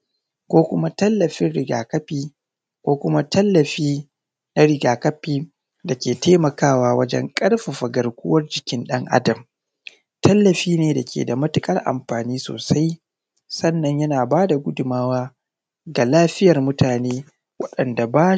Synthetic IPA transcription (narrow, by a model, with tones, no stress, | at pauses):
kʷoː˦kʷʊ˦ma˦tɐ˦lːɐ˨ɸɪ˦nɽɪ˨ɡa̰ː˨kɐ˦ɸiː˦ | kʷoː˦kʷʊ˦ma˦tɐ˦lːɐ˨ɸiː˦ | na˦ɽɪ˨ɡaː˨kɐ˦ɸiː˦ | da˨kʲeː˨teː˦mɐ˨kaː˦˨waː˦wɐ˦d͡ʒɛ̰˦ŋkʼɐ˦ɽɸa˨ɸɐ˨ɡɐ˨rkʷʊ˦wɐ˦rd͡ʒɪ˨kʲɪ˦nɗɐ˦ŋʔa̰˦dɐ˨m | tɐ˦lːɐ˨ɸiː˦neː˨da˨kʲʰḛː˨da˨mɐ˦tɪ˨kʼɐ˦rʔa̰˨mɸaː˨niː˦so̰ː˨sa˦j | sɐ˦nːɐ˨ɲjɐ˦naː˨baː˦da˨ɡʷʊ˦dʊ˨maː˦waː˦ | ɡa˨laː˦ɸɪ˦jɐ˨rmʊ˦tʰaː˨neː˦ | wɐ˦ɗɐ˨nda˨baː˦